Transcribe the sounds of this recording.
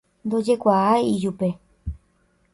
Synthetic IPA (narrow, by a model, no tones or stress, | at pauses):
nd̪o̞d͡ʒe̞kʷaaiʒupe̞